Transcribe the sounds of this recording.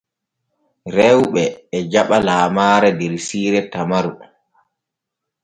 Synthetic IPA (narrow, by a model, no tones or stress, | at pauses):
ɾɛwɓɛːd͡ʒaɓalaːmaːɾɛdɛɾsiːɾɛtamaɾu